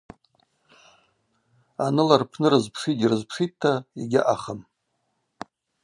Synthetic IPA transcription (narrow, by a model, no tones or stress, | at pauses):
anɨlarpʰnɨɾɨzpʰʂidʲirɨzpʰʂitʰːaiɡʲɪ̰ʔaχəm